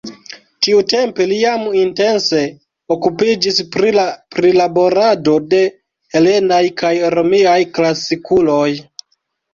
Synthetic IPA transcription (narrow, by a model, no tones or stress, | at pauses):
tiute̞mpe̞lijaminte̞nse̞ | okupid͡ʒispɾipɾilabo̞ɾado̞de̞ | he̞le̞najkajɾo̞miajklasikulo̞j